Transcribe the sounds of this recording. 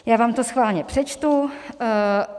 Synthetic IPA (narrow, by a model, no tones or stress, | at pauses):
jaːvaːmt̪osxvaːlɲɛpr̝̥ɛt͡ʃt̪u